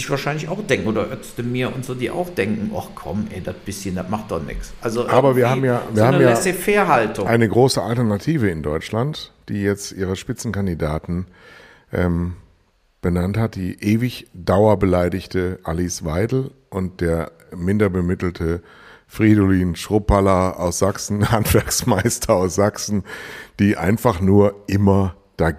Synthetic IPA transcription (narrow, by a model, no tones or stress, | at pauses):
ɪçv̥aːɐʃaɪnlɪçaʊxd̥ɛŋkŋ̩ʔoːdɐʔœt͡stəmiːɐʊntz̥oːdiːʔa̰ʊxd̥ɛŋkŋ̩ʔɔ̰χkʰɔ̰mʔɛ̰ːdat̚b̥ɪsçəndatmaχt̚d̥ɔχnɪ̰ksʔalzoʔʔaːbɐviːɐhaːm̩jaːviːɐhaːnmjaɛːsefeːɐhaltʊŋʔaɪnəɡʁoːsəa̰ltɛɐnatʰiːvəɪndɔʏt͡ʃlantd̥iːjɛt͡stʔiːʁ̞əʃpɪt͡sn̩kandidaːtn̩ | ʔɛm | b̥ənanthat̚d̥iːʔeːvɪçd̥aʊɐbəlaɪdɪçtəʔalisvaɪdl̩ | ʔʊnt̚d̥eːɐ | mɪndɐbəmɪtl̩tʰə | fʁ̥iːdoliːnʃʁ̥opalɐa̰ʊsz̥aksn̩hantv̥ɛɐksmaɪstʰɐaʊsz̥aksn̩d̥iːʔa̰ɪnfaχnuːɐʔɪmɐ | d̥a